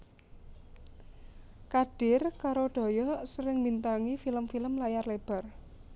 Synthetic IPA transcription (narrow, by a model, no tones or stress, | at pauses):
kaɖ̥ɪ̤rkaɾoɖ̥ɔ̤jɔsəɾɪŋmint̪aŋifiləmfiləmlajarleb̥a̤r